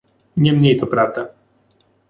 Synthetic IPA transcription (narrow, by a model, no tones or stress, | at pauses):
ɲʲɛmɲʲɛjt̪ɔpɾavd̪a